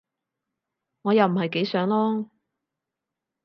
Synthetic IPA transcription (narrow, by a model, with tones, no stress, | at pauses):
ŋɔː˨˧jɐ˨wm̩˨˩hɐ˨jke˨˥jsœː˨˥ŋlɔː˥